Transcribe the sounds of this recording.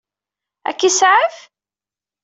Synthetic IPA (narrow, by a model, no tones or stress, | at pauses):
æ̰kːisʕəf